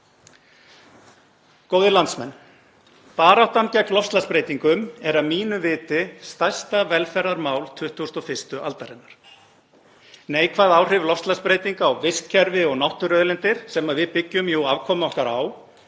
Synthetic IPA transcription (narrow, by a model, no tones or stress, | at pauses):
koːwðɪlant̪smɛnː | paːɾawht̪ancɛklɔfst̪laspɾeːjt̪iŋkʏmɛɾaðmiːnʏvɪːt̪ɪst̪ajst̪avɛlfɛɾðaɾmaːwlt̪ʰʏht̪ʰːust̪ɔfɪst̪ʏʔa̰lt̪aɾɪnːaɾ̥ | neːjkʰvaðaːwr̥ɪvlɔfst̪laspɾeːjt̪iŋkawvɪskcʰːɛɾvɪɔɣnawht̪ʏɾœðlɪnt̪ɪɾ̥sɛmaðvɪðpɪcːʏmjowavkʰɔːmʏɔhkaɾaw